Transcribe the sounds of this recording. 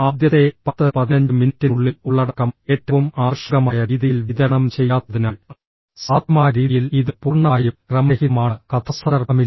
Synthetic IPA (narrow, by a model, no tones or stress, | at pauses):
aːd̪ʱjɐt̪epɐt̪ːɐpɐðinɐɲd͡ʒɯminitːiɭːiluɭːɐɽɐkːɐmeːʈːɐʋɯmaːʋɐʂɐɣɐmaːjɐɾiːðijilʋiðɐɐɳɐmt͡ɕɛjːaːt̪ːɐðinaːɭ | saːt̪maːɾiːðijiliðɨpurɳaːjukrɐmɐhimaːɳɐkɐt̪ʰɐsɐɐrɐmi